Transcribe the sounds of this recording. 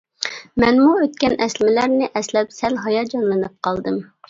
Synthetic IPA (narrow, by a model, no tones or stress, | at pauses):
mɛnmuøt̪kʲɛnʔɛslɪmɪlæɾnɪʔɛslɛpsɛlɦɑjɑd͡ʒɑnlˠɨnɨp̚qʰɑlˠd̪ɨm